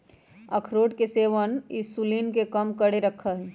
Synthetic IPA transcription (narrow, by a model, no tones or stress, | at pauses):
əkʰɾoːʈkeseːʋənisulinkekəmkəɽeɾəkʰəɦ